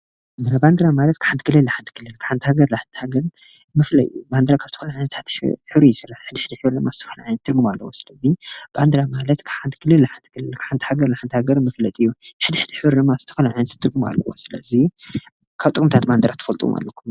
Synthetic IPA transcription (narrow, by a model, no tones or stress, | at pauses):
mand̪ɾaband̪ɾamalɐt̪kɨ̥ħant̪ʰɨɡɨlɨlːaħant̪ʰɨɡʰɨlɨlkʰɨ̥ħant̪ʰhaɡɐɾlaħant̪ʰhaɡɐɾ | mɨflɐt̪ʼɨjuband̪ɨɾakʰḁt̪ʰɨ̥ɐlaʕajnɐt̪ʰat̪ħɨβɾijsɐlaħɨd̪iħɨd̪iħɨβɾlɨmːaz̥ɨt̪ʰɐfɐlaʕajnt̪ʰːɨɾɡumalːɐwosɨlɐziband̪ɾamalɐt̪kʰħant̪ʰɨ̥ɡʰɨlɨlːaħant̪ʰɨɡʰɨlɨlkʰḁħant̪i̥haɡɐɾlaħant̪ʰhaɡɐɾmɨflɐt̪ʼɨjːuħɨd̪iħɨd̪iħɨβɾlɨmːazɨt̪ʰɨ̥fɐlaʕajnɐt̪t̪ʰːɨɾɡuma̰lːɐ̰wo̰sɨlɐ̰zi | kʰaβt̪ʼɨkʼɨmt̪ʰat̪band̪ɨɾʔat̪ʰːɐfɐlt̪ʼuṵmʔa̰lːɐkʰːum